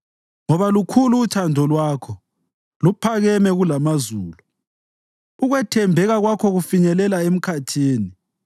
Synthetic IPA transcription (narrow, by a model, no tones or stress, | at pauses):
ŋɔβalukʰuluːt͡ʃʰandʱɔlwaːkʰɔ | lupʰaɣɛmɛɣulamazuːlu | uɣwɛtʰɛmbʱɛɣaɣwakʰɔɣufiɲɛlɛlaem̩kʰatʰiːni